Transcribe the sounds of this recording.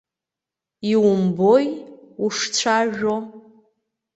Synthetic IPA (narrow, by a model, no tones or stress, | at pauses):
iwʊmbojuʂt͡sʷʰaʒᶣo